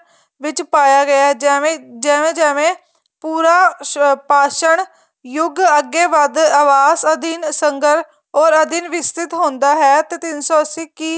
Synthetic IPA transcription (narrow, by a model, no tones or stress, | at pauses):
ʋɪt͡ʃpaːjaːɡəaːd͡ʒẽd͡ʒɛːʋẽːd͡ʒɛːʋẽː | puːɾaːpaːʃəɳ | jʊɡəɡːeːʋəd̪əʋaːsəd̪iːnsəŋɡəɾ | ɔːɾəd̪inʋɪst̪ɪt̪ɦõːnd̪aːɦɛːt̪eːt̪ɪnsɔːəsiːki